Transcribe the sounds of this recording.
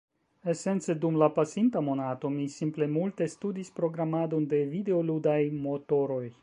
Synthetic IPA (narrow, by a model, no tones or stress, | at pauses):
e̞se̞nt͡se̞dumlapasintamo̞nato̞misimple̞multe̞studispɾo̞ɡɾamado̞nde̞vide̞o̞ludajmo̞to̞ɾo̞j